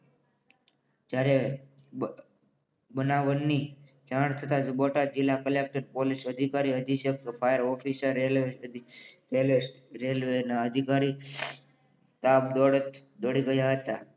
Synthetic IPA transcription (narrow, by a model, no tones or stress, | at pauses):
d͡ʒjaɾe | bənaʋənːi | d͡ʒaɳ̃t̪ʰət̪ad͡ʒboʈad͡ʒɪlːakəlek̚ʈəɾpolisəd̪ʱikaɾiəd̪ʱiʃək̚fʰajəɾɔfisəɾele | el | ɾelʋenaəd̪ʱikaɾi | t̪ab̚d̪oɽət̪ | d̪oɽiɡəjaɦət̪a